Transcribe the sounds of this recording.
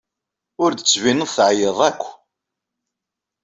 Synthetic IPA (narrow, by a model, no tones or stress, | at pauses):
ʊɾd̪ət͡sːvinəðˤθʕjəðˤækʷː